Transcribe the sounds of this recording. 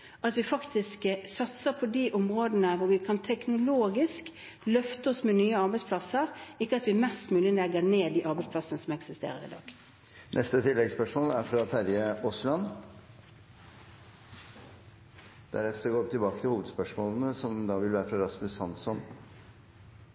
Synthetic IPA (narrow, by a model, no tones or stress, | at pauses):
ɑt̪ʋɪfɑkt̪ʰɪsksɑt̪səpʰɔd̪iʔʊmʁoːd̪ənəʋʊɾʋɪkʰɑnt̪ʰɛknʊloːɡɪsk | lœft̪əɔsmɛnyːəɑɾbæɪspʰlɑsəɾɪkːəɑt̪ʋɪmɛst̪mʉːlɪənɛɡəɾneːd̪iːʔɑɾbæɪspʰlɑsənəsɔmɛksɪst̪ḛːɾəɾɪ̰d̪ɑ̰ːɡ̥ | nʔɛst̪ət̪ʰɪlːɛɡspœʂmoːlæɾfɾɑt̪ʰæɾjəɔslɑn | d̪̥æ̰ɾɛt̪əɾɡoːt̪ɪlbɑːkət̪ʰɪlhuːʋəd̪spœʂmoːln̩əsɔmd̪ɑːʋɪlʋæːɾəfɾɑɾɑsmʉsɑnsɔn